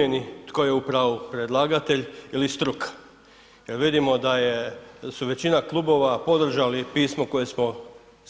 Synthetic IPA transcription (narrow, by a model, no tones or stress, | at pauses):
enit̪ko̞je̞upɾaʋupɾe̞d̪lˠaːɡat̪e̞ʎilist̪ɾukḁ | je̞ɾʋid̪imo̞d̪ajesuʋe̞t͡ɕinaklˠubo̞ʋapo̞d̪r̩ʒalipiːsmo̞ko̞je̞smo